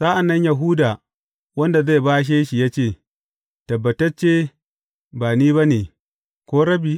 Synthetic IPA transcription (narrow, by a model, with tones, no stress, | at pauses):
sa˦ʔa˨nːɐ˦ɲja˨ɦu˦da˨ | wɐ˦nda˨za˦˨baː˦ʃ̬e˦ʃi˨jaː˦t͡ʃeː˦˨ | tɐ˨bːɐ˨tɐ˦t͡ʃeː˦ | baː˨niː˦ba˦ne˨ | kʷoː˦ɽɐ˦biː˨